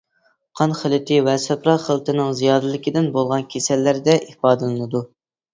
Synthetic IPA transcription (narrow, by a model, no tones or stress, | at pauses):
qʰɑnχəlˠɨt̪ʰɪwɛsɛpɾɑχəlˠt̪ʰɨnɨŋzijɑːd̪ɨlˠɪkʲid̪ɪnbolˠʁɑnkʲʰesɛlːæɾd̪ɛʔihfɑːd̪ɨlˠɨnɨd̪u